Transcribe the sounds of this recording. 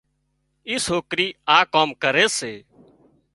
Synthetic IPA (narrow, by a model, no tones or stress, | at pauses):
iːsoːkɾiːaːkoːmkəɾeːseː